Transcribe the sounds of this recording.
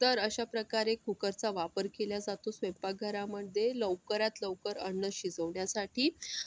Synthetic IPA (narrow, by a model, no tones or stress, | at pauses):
t̪əɾəɕapɾəkaɾekːukəɾt͡saʋapəɾkeljad͡zat̪osʋempaɡʱəɾaməɖd̪eləʋkəɾat̪ləʋkəɾəɳːəɕid͡zəʋɳjasaʈʰiː